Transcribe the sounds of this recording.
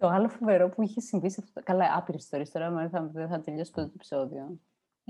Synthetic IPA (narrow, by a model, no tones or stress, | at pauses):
t̪o̞ɐlofove̞ɾo̞puiçesiɱvisɐft̪okɐlɐʔɐpiɾesist̪oɾiest̪o̞ɾɐmɐθɐðeθɐt̪eʎo̞sɐpt̪ot̪oepi̥so̞ðio